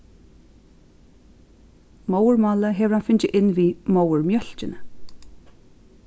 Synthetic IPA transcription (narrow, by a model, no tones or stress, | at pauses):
mowɹmɔːləɦɛʋəɾhanfʏɲt͡ʃɪʔɪnʋiːmowəɹmjœl̥t͡ʃɪnə